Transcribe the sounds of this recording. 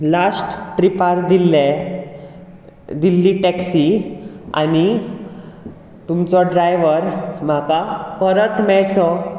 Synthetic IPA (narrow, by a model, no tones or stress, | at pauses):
lasʈʈɾipaɾd̪ilɛ | d̪ilːiʈɛksia̰ni | t̪umt͡sɔɖɾajʋəɾm̤akafəɾət̪mɛɭt͡sɔ